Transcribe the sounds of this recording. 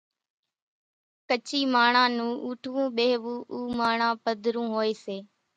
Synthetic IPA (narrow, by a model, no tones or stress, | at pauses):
kət͡ʃiːmaːɳãːnũːʔuːʈʰʋũːɓeːɦʋũːʔuːmaːɳãːpəd̪ʱɾũːɦoːeːseː